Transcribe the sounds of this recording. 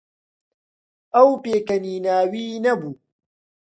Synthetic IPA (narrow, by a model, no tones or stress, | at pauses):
ɐwpeːkɐniːnaːwiːnɐbu